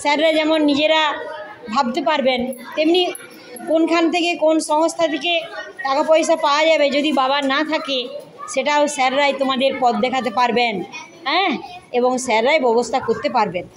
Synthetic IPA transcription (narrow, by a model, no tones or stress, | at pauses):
sɛɾɾad͡ʑɛmonːid͡ʑeɾabʱab̚t̪epaɾbent̪emni | konkʰant̪ʰekekonʃɔŋst̪ʰat̪ʰekeʈakapɔjʃ̬apaoad͡ʑabed͡ʑod̪ibabanat̪ʰakeʃeʈaoʃɛɾːajt̪omad̪eɾpɔt̪̚d̪ɛkʰat̪̬epaɾben | ɦɛ̃eboŋʃɛɾːajbɔbost̪ʰakoɾt̪epaɾben